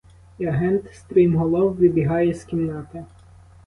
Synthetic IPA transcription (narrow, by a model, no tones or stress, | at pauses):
iɐɦɛnt̪st̪ɾimɦɔlˠɔwʋʲibʲiɦɑjɛskʲimnɑt̪ɪ